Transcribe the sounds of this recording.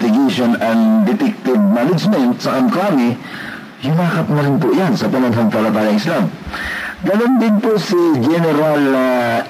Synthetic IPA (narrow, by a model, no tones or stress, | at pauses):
t̪ɪɡeʃonɐnŋd̪ɪt̪ɪk̚t̪ɪb̚manɪd͡ʒmɛnt̪sɐkɐmklaːmɪ | jʊnaːkɐt̪mɐɾɪnpʊjansɐpɐnɐnɦɐŋpɐlɐt̪aːjɐŋɪslam | ɡɐnond̪ɪnposid͡ʒɛnɛɾalnɐ